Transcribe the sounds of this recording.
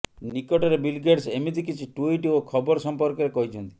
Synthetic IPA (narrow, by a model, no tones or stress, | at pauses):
nikɔʈɔɾebilɡeɖsemit̪ikit͡ʃʰiʈuiʈiokʰɔbɔɾɔsɔmpɔɾkɔɾekɔɦit͡ʃʰɔnt̪i